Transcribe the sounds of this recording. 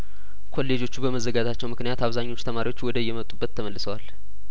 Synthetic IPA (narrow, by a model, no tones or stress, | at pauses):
kʰo̞lːe̞d͡ʒo̞t͡ʃːubəməzːəɡad͡ʒat͡ʃːɛwmɨknijat̪aβzaɲːo̞t͡ʃːt̪ʰəmaɾiwo̞t͡ʃːwɔd̪əjːɛmət̪ʼubːət̪ʰːəməlːɨsəwal